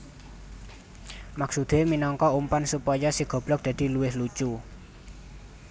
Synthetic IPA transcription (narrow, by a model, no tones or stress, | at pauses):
maksud̪̥e̤minɔŋkɔumpansupɔjɔsiɡ̥ɔ̤b̥lɔk̚d̪̥a̤d̪̥i̤luwɪhlut͡ʃu